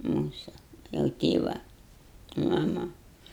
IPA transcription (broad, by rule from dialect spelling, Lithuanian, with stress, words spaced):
ˈmuːsʊ jɛʊ ˈtʲeːʋɐ mɐˈmɐ